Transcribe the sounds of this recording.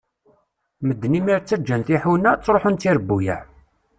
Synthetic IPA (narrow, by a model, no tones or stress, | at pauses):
məd̪ːnimiɾt͡sːəd͡ʒːænθiħuwnæt͡sːɾˤoħunt̪iɾəbːujæ̰